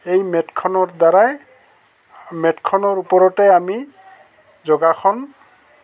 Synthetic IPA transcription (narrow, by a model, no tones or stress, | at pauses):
ejmɛtkʰɔnɔɹdaɹaj | mɛtkʰɔnɔɹupɔɹɔtɛami | zɔɡakʰɔn